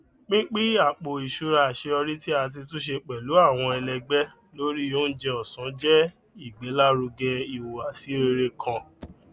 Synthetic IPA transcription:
k͡pĩ˦k͡pi˦a˦˨k͡po˨i˨ʃu˧ɾa˧˨ʃe˧ɔ˧ɾi˦ti˦a˧t̬i˧tũ˦ʃ̬e˧k͡pɛ˨lu˨˦a˦˨w̃ɔ̃˧ɛ˧lɛ˧ɡ͡bɛ˦ | lo˦ɾi˦jo˦n̩˦d͡ʒɛ˧ɔ˨sã˨˦d͡ʒɛ˦ | i˦˨ɡ͡bɛ˨˦la˦ɾu˧ɡɛ˧i˨wo˨a˨si˨˦ɾe˧ɾe˧kʰã˧

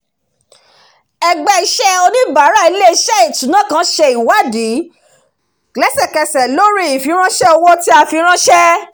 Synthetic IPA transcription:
ɛ˧ɡ͡bɛ˧i˧ʃɛ˦o˧nĩ˦ba˨˦ɾa˦i˧˦le˦i˧ʃɛ˦i˦˨tũ˨˦nã˦˨kã˨˦ʃɛ˧i˨wa˦di˨˦ | klɛ˦sɛ˦˨kɛ˧sɛ˨lo˦ɾi˦i˨fi˨˧˦ɾ̃ã˦ʃɛ˦ɔ˧wɔ˦ti˦a˧fi˧ɾ̃ã˦ʃɛ˦

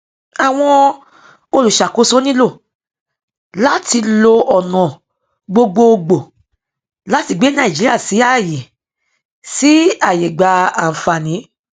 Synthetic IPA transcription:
a˨w̃ɔ̃˧ | o˧lu˨ʃa˨ko˨˦so˦nĩ˦lo˦˨ | la˦ti˧lo˧ɔ˨nɔ̃˨ | ɡ͡bo˧ɡ͡bo˧o˧ɡ͡bo˨ | la˨˦ti˧˨ɡ͡be˨˦nã˦˨i˨d͡ʒi˨˦i˦a˦˨si˨˦a˦˨je˨ | si˨˦a˦˨je˨ɡ͡ba˨˧ã˨fa˨nĩ˨˦

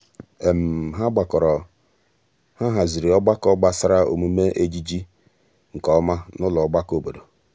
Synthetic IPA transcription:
e˨m̩˨ɦa˦ɡ͡ba˨kɔ˨ɾɔ˨ | ha˦ɦa˨zi˨ɾi˨ɔ˦ɡ͡ba˦kɔ˦ɡ͡ba˦sa˦ɾa˦o̰˨mu˦me˦ʔe˦d͡ʒi˦d͡ʒi˦ | ŋ̩˨kɔ˦ma˦nʊ˦lɔ˨ɔ˦ɡ͡ba˦ko˦bo˨do˨

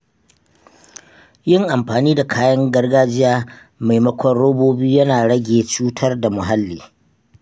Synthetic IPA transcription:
jɪ˦ŋʔa˨mɸaː˨niː˦da˨kʰaː˦jɐ˦ŋɡɐ˦rɡaː˦d͡ʒɪ˦jaː˦ | ma˨jmɐ˦kʷɔ˦rɽoː˦boː˦biː˦jɐ˦naː˨ɽɐ˦ɡʲeː˨t͡ʃuː˦tʰɐ˦rda˨mʊ˨ɦa˦lːiː˨

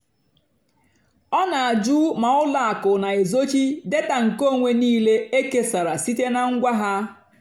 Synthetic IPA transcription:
ɔ˦na˨a˨d͡ʒu˦ma˨ʊ˦la˨a˨kʊ˨na˨e˨zo˦t͡ʃi˦de˦ta˨ŋ̩˨ko˦˨ŋʷe˨niː˦le˦e˦ke˦sa˨ɾa˨si˦te˦na˨ŋ̩˦ɡʷa˦ɦa˦

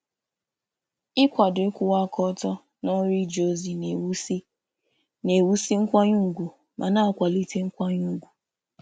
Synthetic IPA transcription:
ɪ˦kʷa˨dʊ˨ɪ˦kʷʊ˦wa˦kɔ˦tɔ˦ | nɔ˦ɾi˦d͡ʒo˦˨zi˨n˨˦ | ne˨wu˦si˦ŋ̩˦kʷa˦ɲu˦˨ɡʷu˨ | mʔa˨na˦a˨kʷa˨li˦te˦ŋ̩˦kʷa˦ɲu˦˨ɡʷu˨

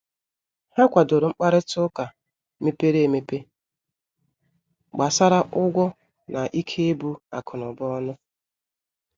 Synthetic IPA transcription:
ha˦kʷa˨do˨ɾʊ˨ŋ͡m̩˦k͡pa˦ɾɪ˦tʊ˦ka˨ | me˦pe˦ɾe˦e˨me˨pe˦ | ɡ͡ba˨sa˦ɾa˦ʔʊ˦ɡʷɔ˦ | na˨ʔi˦kʰe˦e˦bu˦a̰˨kʰʊ˨nʊ˨bɔ˦ɔ˦nʊ˦

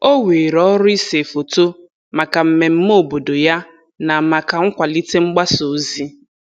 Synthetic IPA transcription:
o˦we˨ɾɔ˦ɾʊ˦i˦se˨fo˨to˦ | ma˨ka˨m̩˨me˨m̩˦mo˦˨bo˨do˨ja˦ | na˨ma˨ka˨ŋ̩˦kʷa˨li˦te˦ŋ͡m̩˦ɡ͡ba˦so˨˦zi˦

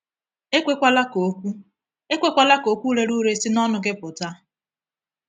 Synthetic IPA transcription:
e˦kʷe˦kʷa˦la˦ko˨kʷu˦ | e˦kʷe˦kʷa˦˨la˦ko˨kʷu˦ɾe˦ɾu˦ɾe˦si˦nɔ˦nʊ˨ɡɪ˦pʊ˨ta˦

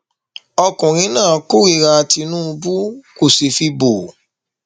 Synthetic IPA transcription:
ɔ˧kũ˨ɾ̃ĩ˨˦nãː˦˨˦ko˦i˦˨ɾa˧ti˧nũ˦˧bu˦ko˨se˨fi˧bo˨

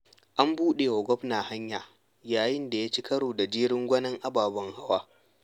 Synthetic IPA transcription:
ʔa˦mbuː˦ɗe˨wɐ˨ɡʷɔ˦bnaː˨ha˦ɲjaː˨ | jaː˨jɪ˦nda˨jaː˦t͡ʃi˦kɐ˦ɽoː˨da˨d͡ʒiː˦ɽɪ˦ŋɡʷɐ˦nɐ˦ŋʔa˦baː˨bɐ˦ŋha˦waː˦

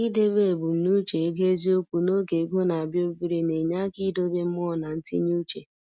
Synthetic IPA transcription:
i˦de˦be˦˨bʊ˨n̩˦nu˦t͡ʃe˨˦ɡe˦zi˦o˦kʷu˨no˦ɡe˨ɡo˦na˨a˨bjo˦bi˦ɾi˦ne˨ɲa˦ki˦do˦be˦m̩˦mɔ˦˨na˨n̩˦ti˦ɲ˦u˦t͡ʃe˨

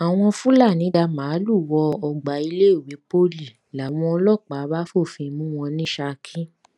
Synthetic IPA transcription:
a˨w̃ɔ̃˧fũ˦la˦˨nĩ˨˦da˧mãː˨˦lu˦˨wɔ˧ɔ˧ɡ͡ba˨˦i˧le˦o˦˨wi˨˦po˦li˦˨ | la˨w̃ɔ̃˧ɔ˧lɔ˦˨k͡pa˨˦ba˦fo˦˨fĩ˧mũ˦w̃ɔ̃˧nĩ˦ʃa˧kʰĩ˦

